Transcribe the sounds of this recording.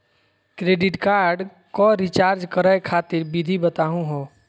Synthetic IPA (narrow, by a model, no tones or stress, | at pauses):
kɾeːɖɪʈkaːɾɖ | kɔɾit͡ʃaːɾd͡ʒkəɾəekʰaːt̪ɪɾbid̪ʱibət̪aːɦũɦõ